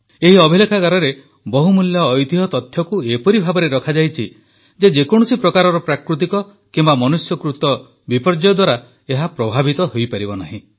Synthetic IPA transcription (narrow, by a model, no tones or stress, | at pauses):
eɦiɔbʱilekʰaɡaɾɔɾe | bɔɦumuljɔːjt̪iɦɔt̪ɔt̪ʰːjɔkuepɔɾibʱabɔɾeɾɔkʰad͡ʒajt͡ʃʰi | d͡ʒed͡ʒekɔɽ̃usipɾɔkaɾɔɾɔpɾakɾut̪̬ikɔ | kimbamɔnusjɔkɾut̪ɔ | bipɔɾd͡ʒɔd̪waɾa | eɦapɾɔbʱabit̪ɔɦojpaɾibɔnaɦĩ